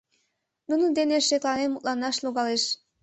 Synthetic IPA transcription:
nunənd̪eneʃeklɑnemːut̪̚lɑnɑʃluɣɑleʃ

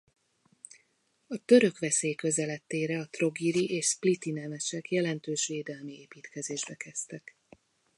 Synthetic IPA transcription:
ɒt̪ø̞ɾø̞kʋɛseːjkø̞zɛlɛt̪ːeːɾɛɒt̪ro̞ɡiɾiʔeːʃsplit̪inɛmɛʃɛkjɛlɛnt̪øːʃʋeːd̪ɛlmieːpiːt̪kɛzeːʒbɛkɛst̪ɛk

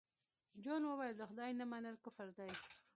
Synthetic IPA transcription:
d͡ʒonwəwɑjld̪əxʊd̪ɑjnamanəlkəfaɾd̪aj

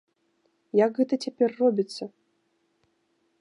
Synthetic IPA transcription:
jakɣɛt̪ɐt͡sʲapʲɛrːɔbʲit̪sːɐ

